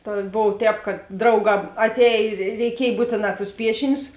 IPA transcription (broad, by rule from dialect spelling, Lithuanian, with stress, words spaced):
ˈtɐ ˈboːw ˈtʲɛːp kɐt ˈdrɐʊˌɡɑː ɐtʲˈɛːj ɪr rʲɛɪˈkʲiɛj ˈbuːtʲeːˌnɑː tʊs ˈpʲiɛʃʲɪnʲʊs